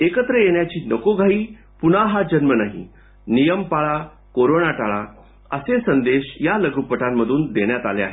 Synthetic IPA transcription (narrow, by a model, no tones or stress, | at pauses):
ekət̪ɾəjeɳjat͡ɕiːnəkoɡʱaɦiː | pun̤aɦad͡ʑənmənaɦḭ | nijəmpaɭa | koɾonaʈaɭa̰ | ə̰sesənd̪eɕjaləɡupəʈamːəd̪ʱuːnd̪eɳjat̪alea̰ɦe